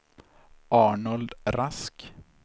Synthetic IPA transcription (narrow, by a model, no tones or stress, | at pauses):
ʔɑːɳɔld̪ɾask